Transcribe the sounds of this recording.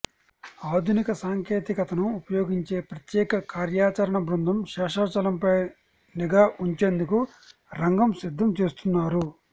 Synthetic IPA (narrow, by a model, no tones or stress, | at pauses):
aːd̪ʱunikɐsaːŋkʰeːt̪ikɐt̪ɐnuupɐjo̞ːɡiɲt͡ʃeːpɾɐt̪jɛːkɐkaːɾjaːt͡ʃɐɾɐɳɐbɾund̪ʱɐmʃɛːʂaːt͡ʃɐlɐmpɐj | niɡaːʔuɲt͡ʃeːnd̪uku | ɾɐŋɡɐmsid̪ʱːɐmt͡ʃeːst̪unːaːɾu